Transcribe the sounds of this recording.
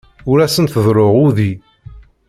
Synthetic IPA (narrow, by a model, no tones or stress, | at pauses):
ʊɾæsənθəðˤɾoʁʊði